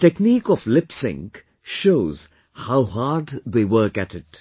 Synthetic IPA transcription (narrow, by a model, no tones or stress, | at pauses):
tɛkniːkɔvlɪpsɪ̰̃ŋk | ʃoʊz̥ | haʊhɑːd̪ðeɪwɜ˞kætɪt